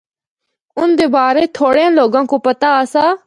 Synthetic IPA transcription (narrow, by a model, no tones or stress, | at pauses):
ʊnd̪eːbaːɾeːt̪ʰoːɽeãːloːɡãːkoːpət̪aːəsaː